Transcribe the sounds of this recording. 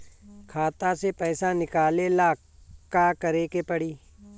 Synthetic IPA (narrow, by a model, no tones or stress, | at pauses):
kʰaːt̪asepɛːsanɪkaːlelaː | kaːkəɾekepəɽiː